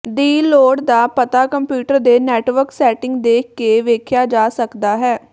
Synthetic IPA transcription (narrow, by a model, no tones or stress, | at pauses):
d̪iːloːɽd̪aːpət̪aːkəmpjuːʈəɾd̪eːnɛːʈʋəɾksɛːʈɪ̃ŋɡd̪eːkʰkːeːʋeːkʰjaːd͡ʒaːsəkd̪aːɦɛː